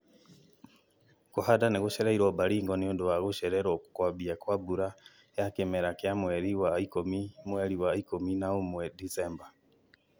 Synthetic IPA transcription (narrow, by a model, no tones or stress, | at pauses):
kuhadaneɣuʃɛɾaiɾɔbaɾiːŋɡɔnioduwaɣuʃɛɾɛɾɔku̥kwabiakwabuɾa | jakemɛɾakjamwɛɾiwaikomimwɛɾiwaikominaomwɛdisɛmba